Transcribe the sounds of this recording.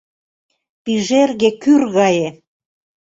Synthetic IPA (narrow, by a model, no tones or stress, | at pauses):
piʒerɣekyrɣɑje